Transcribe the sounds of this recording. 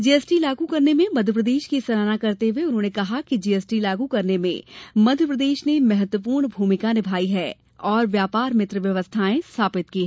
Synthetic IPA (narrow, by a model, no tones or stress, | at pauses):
d͡ʒiɛsʈilaːɡukɐɾnemẽmɐd̪ʱjəp̬ɾəd̪eːʃkisɐɾaːnakɐɾt̪eweʊnɦõːnekɐɦakid͡ʒiːɛsʈilaːɡukɐɾnemḛ̃mɐd̪ʱjəpɾəd̪eːʃnemɛɦət̪wəp̬uːɾɳbʱuːmɪkanɪbʱaːiɦɛː | ɔːɾʋjaːpaːɾmɪt̪ɾəʋjɐʋəst̪ʰaːẽst̪ʰaːpɪt̪kiɦɛ